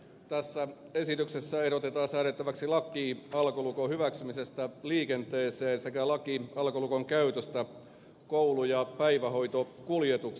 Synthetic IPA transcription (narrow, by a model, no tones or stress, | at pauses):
t̪æsːæ | esit̪yksesːæeɾot̪et̪ɑːsæːɾet̪ːæʋæksilɑkːˑiːɑlkolukohyʋæksymisest̪æliːkent̪eːseːnsekælɑkiɑlkolukoŋkæyt̪øst̪æ | koulujɑpæiʋæho̞it̪okuljet̪uk